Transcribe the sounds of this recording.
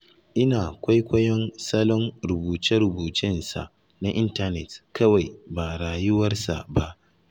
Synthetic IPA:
ʔɪ˦naː˨kʷa˦jkʷɐ˦jɔ˦nsɐ˦lɔ˦nɾʊ˨buː˨tɪ˦ɾʊ˨buː˨tɪ˦nsa̰˨ʔ | na˦ʔɪ˦nta˦nɛ˨tkɐ˦wa˨jba˨ɽaː˨jʊ˦wɐ˦rsa̰˨ba˦ʔ

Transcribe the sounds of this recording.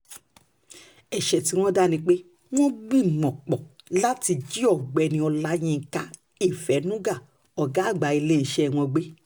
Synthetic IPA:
ɛ˨ʃɛ˨ti˨˧˦w̃ɔ̃˦da˦nĩ˧k͡pe˦ | w̃ɔ̃˦ɡ͡bi˦˨mɔ̃˨k͡pɔ˨la˦ti˧d͡ʒi˦ɔ˦˨ɡ͡bɛ˨˧˨nĩ˧ɔ˧la˦j̃ĩ˧˨ka˨˦ | i˦˨fɛ˨˦nũ˦ɡa˦˨ | ɔ˨ɡa˨˦˨ɡ͡ba˨˧i˧le˦i˦˨ʃɛ˦˨w̃ɔ̃˧ɡ͡be˦

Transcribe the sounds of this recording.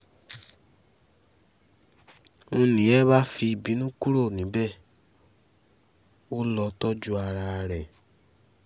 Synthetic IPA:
o˧nĩ˨˦ɛ˦ba˦fi˧i˧˨bi˨˦nũ˦ku˦ɾo˦˨nĩ˨˦bɛ˦˨ | o˦lɔ˧tɔ˦d͡ʒu˦a˧ɾa˧ɾɛ˨

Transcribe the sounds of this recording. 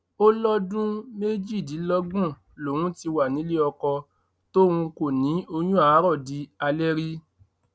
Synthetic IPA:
o˦lɔ˦dũ˦me˦d͡ʒi˦˨di˨˦lɔ˦ɡũ˦˨ | lo˨wũ˦ti˧wa˨nĩ˨˦le˦ɔ˧kɔ˧ | to˦wũ˧ko˨nĩ˨˦o˧j̃ũ˦a˨˦ɾɔ˦˨di˧a˧lɛ˦ɾi˦

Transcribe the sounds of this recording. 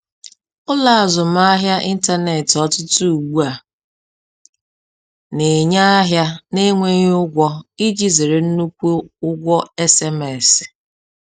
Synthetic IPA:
ʊ˦la˨a˨zʊ˨m̩˦a˦ɦja˦ʔi˦n̩˦ta˦ne˨tɔ˦tʊ˦tu˦u˨ɡ͡bu˦a˨ | ne˨ɲa˦ɦja˦ne˦ŋʷe˦ɲ˦ʊ˦ɡʷɔ˦i˦d͡ʒi˦ze˨ɾe˨n̩˦nu˦kʷo˦ʊ˦ɡʷɔ˦e˦se˦me˨sɪ̥˨

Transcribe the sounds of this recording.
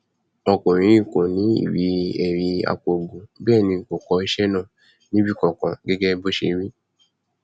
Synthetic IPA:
ɔ˧˨kõ˨ɾ̃ĩ˨˦ɾi˦˨ko˨nĩ˨˦ḭ˨wi˨˦ɛ˨ɾi˨˧˦a̰˧ko˨ɡ͡bo˨bɛː˦˨nĩ˧˨ko˨kɔ˧˦i˧ʃɛ˦nãː˦˨ | nĩ˦bi˦˨kɔ̃˨kɔ̃˨ɡɛ˦ɡɛ˦bo˦ʃe˧˨˦ɾi˦

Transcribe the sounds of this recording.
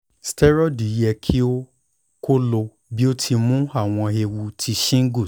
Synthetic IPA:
stɛ˦ɾɔ˦˨di˨˦jɛ˧kʰi˦o˦ | ko˦lo˧ | bi˦o˦tʰi˧mũ˦a˦˨w̃ɔ̃˧e˧wu˧tʰi˧ʃĩ˦ŋ̩˦ɡu˦˨

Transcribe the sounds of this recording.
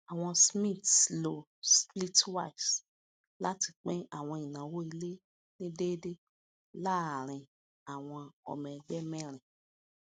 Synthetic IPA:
a˨w̃ɔ̃˧smĩ˦˨tlo˨ | spli˦twa˦js | la˦ti˧k͡pɛ̃˦a˦˨w̃ɔ̃˧i˨nã˨wo˦i˧le˦ | nĩ˦de˦de˦ | la˦a˨ɾ̃ĩ˧ | a˨w̃ɔ̃˧ɔ̰˨mɛ̃˨˧ɡ͡bɛ˦mɛ̃˦ɾ̃ĩ˨

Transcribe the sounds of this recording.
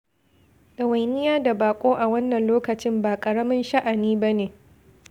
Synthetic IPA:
ɡɐ˨wɐ˨jnɪ˦jaː˦da˨baː˨kʷʼoː˦ʔa˨wɐ˦nːɐ˨nloː˦kɐ˨t͡ʃɪ˦mbaː˨kʼɐ˨ɽɐ˦mɪ˦nʃa˦ʔa˨niː˦ba˦neː˨

